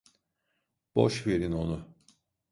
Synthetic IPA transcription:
b̥o̰ʃve̞ɾino̞nu

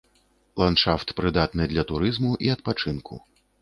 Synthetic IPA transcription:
lˠanʂaft̪pɾɨd̪at̪nɨd̪lʲɐt̪uɾɨzmuʔiɐt̪̚pat͡ʂɨnkʰṵ

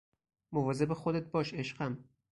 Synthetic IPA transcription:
movɒzebexod̪et̪̚bɒːʃeʃɢæm

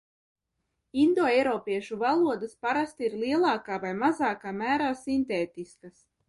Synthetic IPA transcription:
ind̪oɛjɾɔːpiɛʃuvalˠuɔd̪aspaɾast̪iɾlˠiɛlˠɑːkaːvajmazaːkaːmæːɾaːsint̪eːt̪iskas

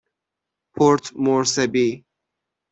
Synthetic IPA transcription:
pʰoɾt̪ʰmoɾsɐbi

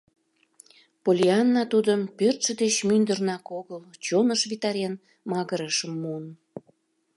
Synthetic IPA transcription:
polʲiɑnːɑt̪ud̪əmpørt̪ʃə̆d̪et͡ɕmynd̪ərnɑkoɣəlt͡ɕonəʃβit̪ɑɾʲen | mɑɣəɾəʃəmːuən

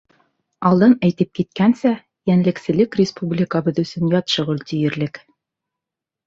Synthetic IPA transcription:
ɑlˠd̪ɤnæjt̪ɘp̚kit̪kænsæ | jænlɘ̆ksɘ̆lɘkrʲɪspublʲɪkəbɤðɵ̆sɵnjɑt̪ʃŏʁɵlt̪ijɘ̆ɾlɘk

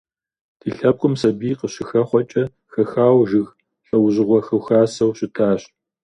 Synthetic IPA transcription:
d̥ʰiːɬɐp̚kʷʼʊmsɐbiːqəɕɪxɐχʷɔt͡ʃʼɐ | xɐxaːwʒɪɣ | ɬʼɐwʑɪʁʷɔxɨwxaːsɐwɕɪtʰaːɕ

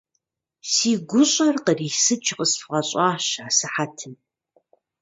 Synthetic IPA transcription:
siːɡʷʊɕʼɐrqəriːsɨt͡ʃʰʼqəsfʁɐɕʼaːʃaːsɨħatʰɨn

